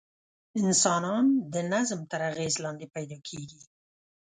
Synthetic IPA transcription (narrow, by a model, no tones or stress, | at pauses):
ɪnsɑnɑnd̪ənazmt̪əɾaɣezlɑnd̪epajd̪ɑkʰeɡi